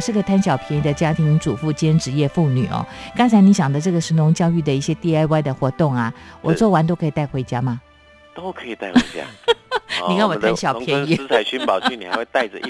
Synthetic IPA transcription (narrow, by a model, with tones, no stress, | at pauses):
ʂɻ̩˥˩ɡə˩t̪ʰa˥nɕjɑ˨˩ʊpʰjɛ˧˥ni˧˥d̪ə˧t͡ɕja˥t̪ʰi˧˥ŋʈ͡ʂu˨˩fu˥˩t͡ɕjɛ˥nʈ͡ʂɻ̩˧˥jɛ˥˧fu˥˩ny˨˩ɐ̰˦kɑ˥ŋt͡sʰa˧˥ɪni˧˥ɕjɑ˨˩ŋd̪ə˦ʈ͡ʂɤ˥˩ɡə˩ʂɻ̩˧˥nʊ˧˥ŋt͡ɕjɑ˥˧ʊy˥˩d̪ə˩i˥˩ɕjɛ˥t̪i˥˧a˥˧ɪwa˥˩ɪd̪ə˩xwɔ˧˥t̪ʊ˥˩ŋɐ˩wʔɔ˨˩t͡swɔ˥˩wa˧˥nt̪̬o˥ʊkʰɤ˧i˨˩t̪a˥˩xwe˧˥ɪt͡ɕja˥mɐ˨ | t̪o˥ʊkʰɤə˧˥i˨˩t̪a˥˩ɪxɪt͡ɕja̰˦˥ | ni˨kə˥˩nwɔ˨˩t̪ʰa˥nɕjɑ˨˩˨pjɛ˧ni˧˩˥a˧˥ɪɕy˧˦npɑ˨ʊy˥˩ni˨˩xa̰˧˦we˥˧t̪a˥˧ɪʈ͡ʂə˨˥